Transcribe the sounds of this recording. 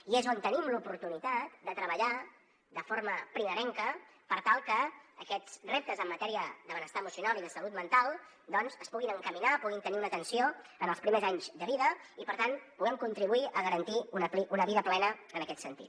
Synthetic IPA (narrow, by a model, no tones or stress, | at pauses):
iezont̪ənimlupuɾt̪unit̪at̪̚d̪ət̪ɾəβəʎa | d̪əfoɾməpɾiməɾɛŋkə | pəɾt̪alˠkəːkɛt͡srep̚t̪əzəmːət̪ɛɾiəðəβənəst̪aəmusiunaliðəsəlut̪̚mənt̪alˠ | d̪ɔnzəspuɣinəŋkəminapuɣint̪əniunət̪ənsioənəlˠspɾimezaɲzd̪əβiðəipəɾt̪anpuɣɛmkunt̪ɾiβuiʔəɣəɾənt̪iunəpliʔunəβiðəplɛnəənəkɛt̪sənt̪ḭt̪